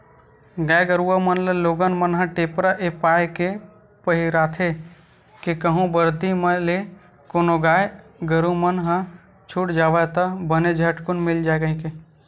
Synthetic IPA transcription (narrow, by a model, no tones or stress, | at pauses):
ɡajɡəɾuamənleloɡənmənɦə̃ʈepɾaʔepaeke | pəɦiɾat̪ʰe | kekəɦũbəɾd̪iməle | konoɡajɡəɾumənɦə̃ | t͡ʃʰuʈd͡ʒaʋət̪əbəned͡ʒʱəʈkunmild͡ʒaeɡəɦĩke